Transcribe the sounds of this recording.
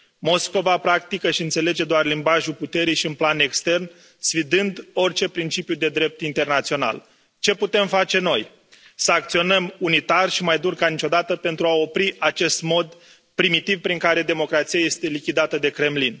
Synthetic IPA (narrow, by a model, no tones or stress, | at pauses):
mo̞sko̞vapɾak̚t̪ikəʃiɨnt̪se̞le̞d͡ʒe̞d̪oarlimbaʒuput̪e̞ɾijʃiunplane̞kst̪e̞rn | sfid̪ɨnd̪o̞rt͡ʃe̞pɾint͡ʃipjud̪e̞d̪ɾe̞p̚t̪int̪e̞rnat̪sio̞na̰l | t͡ʃe̞put̪e̞mfat͡ʃe̞no̞j | səak̚t̪sio̞nəmunit̪arʃimajd̪urkanit͡ʃo̞d̪at̪əpe̞nt̪ɾuao̞pɾiat͡ʃe̞st̪mo̞d̪ | pɾimit̪ivpɾiŋkaɾe̞d̪e̞mo̞kɾat̪siaje̞st̪e̞likʲid̪at̪əd̪e̞kɾe̞mlin